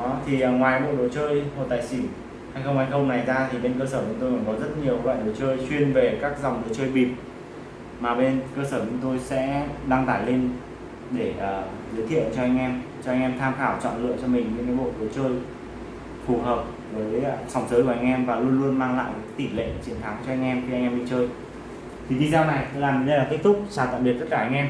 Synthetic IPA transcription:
t̪ʰi˨˩˨ŋwaː˨˩jɓo̰˧˨ɗo˨˦t͡ɕəː˧jho̰˧˨t̪aː˨˩jsi˧˩˦n | ha˧jxə˧wŋ͡mha˧jxə˧wŋ͡mna˨˩jzaː˧t̪ʰi˨˩ɓe˧nkəː˧səː˧˩t͡ɕʊ˨˦ŋ͡mt̪o˧jɔː˧˩kɔ˨˦zə˦˥t̚ɲi˨˩əkɓa̰ː˧˨ɗo˨˦t͡ɕəː˧jswi˧ənve˨˩kaː˦˥k̚za˨˩wŋ͡mɗɨ˨˦t͡ɕəː˧jɓi˨˩p̚ | maː˨˩ɓe˧nkəː˧səː˧˩t͡ɕʊ˨˦ŋ͡mt̪o˧jsɛ̰˧˥ɗa˧ŋt̪aː˧˩jle˧n | ɗe˧˩ʔəː˨˩ | zəː˨˦jt̪ʰi˧˨əwt͡ɕɔ˧ʔa˧jŋ̟ʔɛ˧mt͡ɕɔ˧ʔa˧jŋ̟ʔɛ˧mt̪ʰaː˧mxaː˧˩wt͡ɕɔ̰˧˨nlɨ̰˧˨əŋt͡ɕɔ˧mï˨˩ŋ̟ɲɨ˧˥ŋkaː˨˦jɓo̰˧˨ɗɨ˨˦ət͡ɕəː˧j | fu˨˩ɦəː˨˩p̚ | vəː˨˦jsa˨˩wŋ͡msəː˨˦jkʔa˧ŋ̟ʔɛ˧mvaː˨˩lu˧ənlu˧ənmaː˧ŋla̰ː˧˨jkaː˨˦jka˨˦t̪i˧˩lḛ˧˨t͡ɕi˨˦ənt̪ʰa˨˦ŋt͡ɕɔ˧ʔa˧jŋ̟ʔɛ˧mxi˧a˧ŋ̟ʔɛ˧mɓḭ˧˨t͡ɕəː˧j | t̪ʰi˨˩ɗi˧zaː˧wna˨˩jt̪o˧jlaː˨˩mn˨˦ɗə˧a˨˩t̪k̚t̪ʰʊ˦˥k͡p̚saː˧˩t̪a̰ː˧˨mɓi˨˩t̪̚ːə˦˥t̚kaː˧˩ʔa˧jŋ̟ʔɛ˧m

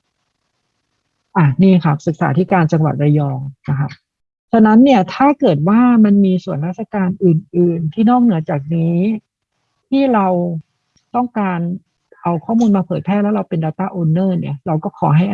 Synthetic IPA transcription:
ʔa˨˩niː˥˩kʰa˦˥p̚sɯ˨˩k̚sa̰ː˩˦t̪ʰiː˦˥˩kaː˧nt͡ɕa˧ŋwa̰˨˩t̪̚ɾa˧jɔː˧ŋna˦˥kʰa˦˥p̚ | t͡ɕʰa˧˥na˦˥nːi˥˩ɐt̪ʰaː˥˩kɤː˨˩t̪̚waː˥˩ma˧nmiː˧su˨˩˦ənɾaː˥˩t̪̚sa˧kaː˧nʔɯː˨˩nʔɯː˨˩nt̪ʰiː˥˩nɔː˥˩k̚nɯ˩˦ɐt͡ɕaː˨˩k̚niː˦˥ | t̪ʰiː˥˩ɾa˧w | t̪ɔ˥˩ŋkaː˧n | ʔa˧wkʰɔː˥˩muː˧nmaː˧pʰɤː˨˩jpʰɛː˥˩lɛ˦˥wɾa˧wpe˧ndaː˧wt̪aː˥˩ʔoː˧nːɤː˥˩ni˥˩ɐɾa˧wkɔː˥˩kʰɔː˩˦ɦa˥˩j

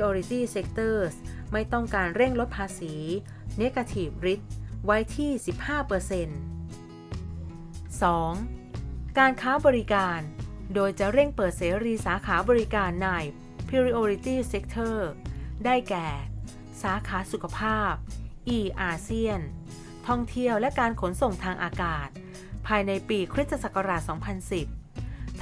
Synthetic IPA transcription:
i˧ʔoː˧ɾi˧t̪iː˥˩se˦˥k̚t̪ʰɤː˥˩sma˥˩jt̪ɔ˥˩ŋkaː˧nɾe˥˩ŋlo˦˥t̪̚pʰaː˧siː˩˦ | ne˦˥kʰa˧t̪ʰiː˨˩p̚ɾi˦˥t̪̚wa˦˥jt̪ʰiː˥˩si˨˩p̚haː˥˩pɤː˧se˧n | sɔː˩˦ŋ | kaː˧nkʰaː˦˥bɔː˧ɾi˦˥kaː˧ndoː˧jt͡ɕa˨˩ɾe˥˩ŋpɤː˨˩t̪̚seː˩˦ɾiː˧saː˩˦kʰaː˩˦bɔː˧ɾi˦˥kaː˧nːaː˧j | pʰiː˧ɾi˦˥ʔoː˧ɾi˧t̪iː˥˩se˦˥k̚t̪ʰɤː˥˩daː˥˩jkɛː˨˩ | saː˩˦kʰaː˩˦˥su˨˩kʰa˧pʰaː˥˩p̚ʔiː˧˩ʔaː˧si˥˩ən | t̪ʰɔ˥˩ŋt̪ʰi˧˥əwlɛ˦˥kaː˧nkʰo˩˦nso˨˩ŋt̪ʰaː˧ŋʔaː˧kaː˨˩t̪̚ | pʰaː˧jna˧jpiː˧kʰɾi˦˥t̪̚ːa˧sa˨˩ka˧ɾaː˨˩t̪̚sɔː˩˦ŋpʰa˧nsi˨˩p̚tʰ

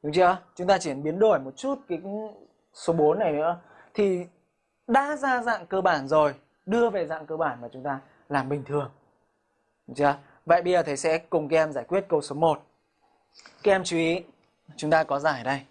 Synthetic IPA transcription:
ɗʊ˨˦ŋ͡mt͡ɕɨ̰˧ə˧t͡ɕʊ˨˦ŋ͡mt̪aː˧t͡ɕi˧˩ənɓi˨˦ənɗo˧˩jmo˨˩t̚t͡ɕu˦˥t̚kaː˨˦ | so˨˦ɓo˨˦nːa˨˩jnɨ̰˧˥ə | t̪ʰi˨˩ | ɗaː˧˥zaː˧za̰ː˧˨ŋkəː˧ɓaː˧˩nzo˨˩j | ɗɨ˧əve˨˩za̰ː˧˨ŋkəː˧ɓaː˧˩nmaː˨˩t͡ɕʊ˨˦ŋ͡mt̪aː˧ | laː˨˩mɓï˨˩ŋ̟t̪ʰɨ˨˩əŋ˨˦ | ŋ͡mt͡ɕə˧ə˧ | və̰ː˧˨jɓə˧zəː˨˩t̪ʰə˨˦jsɛ̰˧˥kʊ˨˩ŋ͡mkaː˨˦ʔɛ˧mzaː˧˩jkwi˦˥ət̚kə˧wso˨˦mo˨˩t̚ | kaː˨˦ʔɛ˧mt͡ɕu˧ʔi˨˦ | t͡ɕʊ˨˦ŋ͡mt̪aː˧kɔ˨˦zaː˧˩˨ɗə˧j

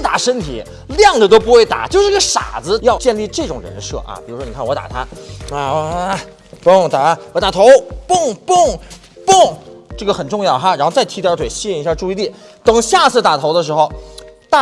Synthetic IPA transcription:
t̪a˨˩ʂə˥nt̪ʰḭ˨˩˦ | ljɑ˥˩ŋʈ͡ʂə˩t̪o˥ʊp̬u˧˥xwe˥˩ɪt̪a̰˨˩t͡ɕjo˥˧ʊʂɻ̩˥˧˥ɡə˧ʂa̰˨˩d͡zɹ̩˧˥jɑ˥˧ʊt͡ɕjɛ˥˧nli˥˧ʈ͡ʂɤ˥˩ʈ͡ʂʊ˨˩ŋɻə̰˧˥n˧ʂɤ̰˥˩ʔɐ̰˩pi˨˩ɻu˧˥ʂwɔ˥ni˨˩kʰwɔ˧t̪a̰˨˩t̪ʰa˥a˥˧˥ | pʊ˥˩ŋt̪a˨˧˩wɔ˧˩t̪a˨˩t̪ʰo˧˥ʊpʊ˥˩ŋpʊ˥˩ŋ | pʊ˥˩ŋʈ͡ʂɤ˥˩ɡə˩xə˨˩nʈ͡ʂʊ˥˧ŋjɑ˥˩ʊxa˧ɻnxo˥˧ʊt͡sa˥˩ɪt̪ʰi˧˥jt̪ʰwe˨˩ɪɕi˥ŋ˧˥ɕja˥˧ʈ͡ʂu˥˧i˧˥t̪i˥˩ | t̪ɤ˨˩ŋɕja˥˧t͡sʰɹ̩˥˩t̪a˨˩t̪ʰo˧˥ʊd̪ə˧ʂ̬ɻ̩˧˥xo˧ʊt̪a˥˧

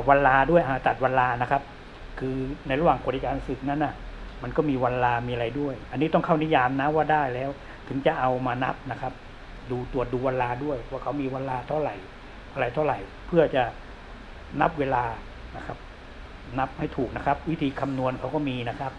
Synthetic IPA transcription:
wa˧nlaː˧du˥˩əjʔa˧˩t̪a˨˩t̪̚wa˧nlaː˧na˦˥kʰa˦˥p̚ | kʰɯː˧na˧jɾa˦˥waː˨˩ŋku˨˩t̪ʰi˧kaː˧nsɯ˨˩k̚na˦˥nʔa˧˩ma˧nkɔː˥˩miː˧wa˧nlaː˧miː˧ʔa˧ɾa˧jdu˥˩əjʔa˧nːiː˦˥t̪ɔ˥˩ŋkʰa˥˩wni˦˥jaː˧mna˦˥waː˥˩daː˥˩jlɛː˦˥w | t̪ʰɯ˩˦ŋt͡ɕa˨˩ʔa˧wmaː˧na̰˦˥p̚na˦˥kʰa˦˥p̚ | duː˧t̪u˨˩ət̪̚duː˧wa˧laː˧du˥˩əjwaː˥˩kʰa˦˥wmiː˧wa˧nlaː˧t̪ʰa˧˥˩ɾa˨˩j | a˧ɾa˨˩jt̪ʰa˥˩wɾa˨˩j | pʰɯ˥˩ɐt͡ɕa˨˩ | na˦˥p̚weː˧laː˧ | na˦˥kʰa˦˥p̚ | na˦˥p̚ha˥˩jt̪ʰuː˨˩k̚na˦˥kʰa˦˥p̚wi˦˥t̪ʰiː˧kʰa˧mnu˧ənkʰa˦˥wkɔː˥˩miː˧na˦˥kʰa˦˥p̚

